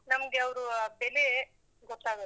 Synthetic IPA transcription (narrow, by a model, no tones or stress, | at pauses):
nɐmɐɡeɐʋɾubele | ɡɔt̪ːaːɡo